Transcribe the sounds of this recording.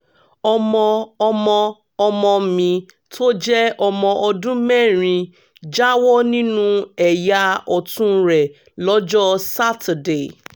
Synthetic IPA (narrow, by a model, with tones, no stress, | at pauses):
ɔ˧mɔ̃˧ɔ˧mɔ̃˧ | ɔ˧mɔ̃˧˨mĩ˧ | tʰo˦d͡ʒɛ˦ɔ˧mɔ̃˧ʔɔ˧dũ˦mɛ̃˦˨ɾ̃ĩ˧ | d͡ʒa˦wɔ˦nĩ˦nũ˦ɛ˨ja˧ɔ˨tũ˦ɾɛ˨ | lɔ˨˦d͡ʒɔ˦sa˦ta˨de˨